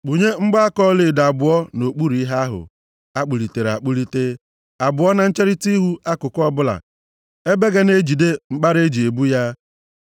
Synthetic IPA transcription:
k͡pu˨ɲe˦ŋ͡m̩˦ɡ͡ba˦a˦kɔ˦le˨da˨bʊ˨˦ɔ˦no˨k͡pu˦ɾi˦ɦa˦ɦʊ̰˨ | a˦k͡pu˨li˨te˨ɾa̰˨k͡pu˦li˦te˦ | a˨bʊ˨ɔ˦na˨n̩˦t͡ʃe˦ɾi˦ti˦ɦu˦ʔa˦kʊ˨kɔ˦bʊ˦la̰˨ | e˦be˦ɡe˦ne˦d͡ʒi˨de˦ŋ͡m̩˦k͡pa˦ɾe˦d͡ʒi˨e˨bu˦ja˦

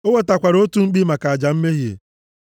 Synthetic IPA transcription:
o˦we˦ta˨kʷa˨ɾo˦tu˦ŋ͡m̩˦k͡pi˦ma˨ka˨a˨d͡ʒa˨m̩˦me˦ɦjḛ˨

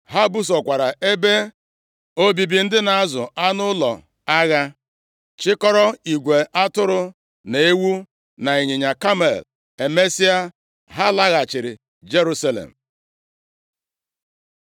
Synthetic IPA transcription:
ɦa˦bu˦s̬ɔ˨kʷa˨ɾa˨ʔe˦be˦ | o˦bi˨bi˨n̩˦dɪ˦na˨˦zʊ˨a˦nʊ˦lɔ̰˨ | a˦ɣa˦ | t͡ʃɪ˦kɔ˦ɾɔ˦i˨ɡʷe˨ʔa˦tʊ˦ɾʊ˦ | ne˨e˦wu˦ | na˨i˨ɲɪ˨ɲa˨ka˦mḛ˨l | e˨me˦si˦a˦ | ɦa˦la˦ɣa˨t͡ʃɪ˨ɾɪ˨ | d͡ʒe˦ɾu˦sa˦lḛ˨m̩˨

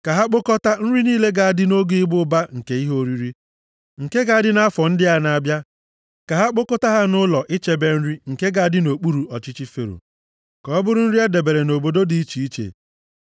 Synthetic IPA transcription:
ka˨ɦa˦k͡po˦kɔ˦ta˦n̩˦ɾi˦niː˦le˦ɡa˨a˨dɪ˦no˦ɡɪ˦bʊ˦ba˦ŋ̩˨ke˦i˦ɦo˦ɾi˦ɾi˦ | ŋ̩˨ke˦ɡa˨a˨dɪ˦na˦fɔ˨n̩˦dɪ˦a˦na˨bja˦ | ka˨ɦa˦k͡po˦kɔ˦ta˦ɦa˦nʊ˦lɔ˨ʔɪ˦t͡ʃe˦be˦n̩˦ɾi˦ŋ̩˨ke˦ɡa˨a˨dɪ˦no˨k͡pu˦ɾu˨ɔ˨t͡ʃɪ˦t͡ʃi˦fḛ˨ɾo̰˨ | kɔ˨˦bʊ˦ɾʊ˦n̩˦ɾi˦a˦de˨be˨ɾe˨no˨bo˨do˦di˨i˦t͡ʃi˨i˦t͡ʃḛ˨

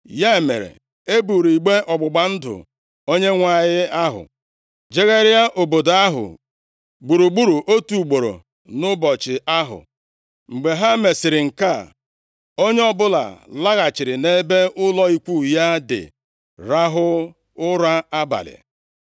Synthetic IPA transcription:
ja˦e˨mḛ˨ɾḛ˨ | e˦bu˨ɾi˨ɡ͡be˦ʔɔ˨ɡ͡bʊ˨ɡ͡ba˨n̩˦dʊ̰˨ | o˦ɲe˦ŋʷa˨ɣɪ˦a˦ɦʊ̰˨ | d͡ʒe˦ɣe˦ɾa˦ʔo˨bo˨da˦ɦʊ̰˨ | ɡ͡bu˨ɾu˨ɡ͡bu˦ɾu˨ʔo˦tu˨ɡ͡bo˨ɾo̰˨ | nʊ˦bɔ˨t͡ʃɪ˨ʔa˦ɦʊ̰˨ | ŋ͡m̩˨ɡ͡be˨ɦa˦me˨sɪ˨ɾɪ˨ŋ̩˨ka˦˨ | o˦ɲe˦ɔ˦bʊ˦la̰˨la˦ɣa˨t͡ʃɪ˨ɾɪ˨ne˦be˦ʊ˦lɔ˦i˦kʷu˦˨ja˦dɪ̰˨ | ɾa˦ɦʊ˦ | ʊ˦ɾa˦a˦ba̰˨lɪ̰˨

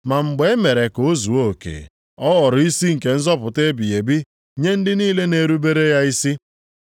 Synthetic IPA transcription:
ma˨ŋ͡m̩˨ɡ͡be˨˦e˦me˨ɾe˨ko˨o˦zu˨o˦˨kḛ˨ | ɔ˦ɣɔ˨ɾi˦si˦ŋ̩˨ke˨n̩˦zɔ˦pʊ˨te˦bi˨je˨bi˦ | ɲe˦n̩˦dɪ˦niː˦le˦ne˨ɾu˦be˦ɾe˦ja˦i˦si˦

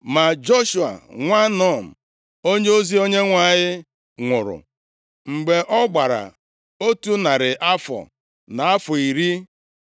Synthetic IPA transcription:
ma˨d͡ʒo˦ʃu˨a̰˨ŋʷa˦nɔ˦˨m̩˨ | o˦ɲe˦o˦zi˦o˦ɲe˦ŋʷa˦˨ɲɪ˦ | ŋʷʊ˨ɾʊ̰˨ | ŋ͡m̩˨ɡ͡be˨ʔɔ˦ɡ͡ba˨ɾa̰˨ | o˦tu˦na˨ɾɪ˨ʔa˦fɔ̰˨ | na˨a˦fɔ˨i˨ɾi˦

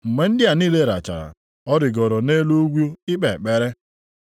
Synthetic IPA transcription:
m̩˨me˨n̩˦dɪ˦a˨niː˦˨le˦˨ɾa̰˨t͡ʃa̰˨ɾa̰˨ | ɔ˦dɪ˨ɡɔ˨ɾɔ˨ne˦lo˦ɡʷu˦o˦ɪ˦k͡pe˨k͡pe˦ɾe˦

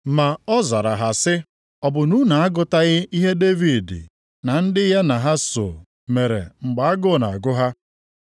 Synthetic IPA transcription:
ma˨ɔ˦za˨ɾa˨ɦa˨sɪ˦ | ɔ˨bʊ˨nu˦na˨a˦ɡʊ˨ta˦ɣɪ˦i˦ɦe˦de˦vi˨dɪ̰˨ | na˨n̩˦dɪ˦ɦe˦na˨ɦa˦sʊ̰˨ | me˨ɾḛ˨ŋ͡m̩˨ɡ͡ba˨a˦ɡʊ˦˨na̰˨a˨ɡʊ˦ɦa˦

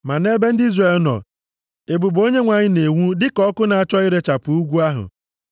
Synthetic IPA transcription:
ma˨ne˦be˦n̩˦di˦zre˨lnɔ̰˨ | e˨bu˨bo˦ɲe˦ŋʷa˨ɲɪ˦ne˨ŋʷu˦dɪ˦kɔ˦kʊ˦na˨a˨t͡ʃɔ˦ɪ˦ɾe˨t͡ʃa˨pʊ˨u˦ɡʷu˦a˦ɦʊ̰˨

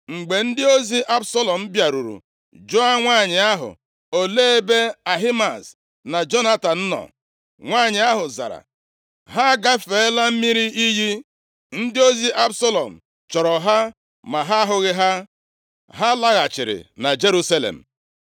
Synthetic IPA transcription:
ŋ͡m̩˨ɡ͡be˨n̩˦dɪ˦o˦zi˦ʔa˦bsɔ˦lɔ˨m̩˦bja˨ɾu˨ɾṵ˨ | d͡ʒɔ˦a˦ŋʷaː˦˨ɲɪ˨a˦ɦʊ̰˨ | o˨le˦e˦be˦a˨ɦi˦ma˨s | na˨d͡ʒo˦na˦ta˨n̩˦nɔ̰˨ | ŋʷaː˦˨ɲɪ˨a˦ɦʊ˨za̰˨ɾa̰˨ | ɦa˦ɡa˦fe˨ɪ˦la˦m̩˦mi˦ɾi˦ʔi˦ɦi˦ | n̩˦dɪ˦o˦zi˦ʔa˦bso˦lɔ˨m̩˨ | t͡ʃɔ˨ɾɔ˨ɦa˦ | ma˨ɦa˦ɦʊ˦ɣɪ˦ɦa˦ | ɦa˦la˦ɣa˨t͡ʃɪ̰˨ɾɪ̰˨na˨d͡ʒe˦ɾu˦sa˦lḛ˨m̩˨

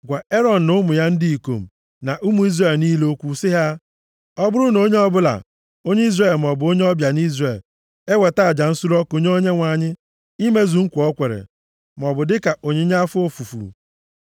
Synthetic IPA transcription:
ɡʷa˨e˦ɾɔ˦n̩˨nʊ˦mʊ˨ja˦n̩˦dɪ˦i˨ko̰˨m̩˨ | na˨ʔu˦mu˦i˦zre˨lniː˦lo˦kʷu˦sɪ˦ɦa˦ | ɔ˦bʊ˦ɾʊ˦no˦ɲe˦ɔ˦bʊ˦la̰˨ | o˦ɲe˦i˦zre˨lm̩˨ɔ˨bʊ˨˦o˦ɲe˦ɔ˦bja˨n˦i˦zre˨l | e˦we˨ta˦˨a˨d͡ʒa˨n̩˦su˦ɾɔ˦ko˨ɲ˦o˦ɲe˦ŋʷa˨ɲɪ˦ | i˦me˦zu˨ŋ̩˦kʷu˨ɔ˦kʷe˨ɾḛ˨ | m˨ɔ˨bʊ˨dɪ˦ka˨o˨ɲe˦ɲa˦fʊ˦o˦fu˨fṵ˨

